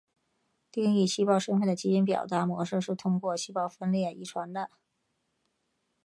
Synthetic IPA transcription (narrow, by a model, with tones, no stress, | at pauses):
t̪i˥˧ŋi˥˩ɕi˥pɑ˥˧ʊʂə˥ŋfə˥˩nd̪ə˩t͡ɕi˧˥i˥npjɑ̰˨˩ʊt̪a˧˥mwɔ˧˥ʂɻ̩˥˧ʂɻ̩˥˩t̪ʰʊ˥ŋkwɔ˥˩ɕi˥pɑ˥˩ʊfə˥nljɛ˥˩ḭ˧˥ʈ͡ʂʰwa˧˥nd̪ə˧